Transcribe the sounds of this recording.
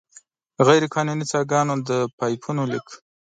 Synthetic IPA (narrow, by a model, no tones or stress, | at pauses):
ɣajɾekʰɑnunit͡sɑɡɑnod̪əpɑjpʰunolik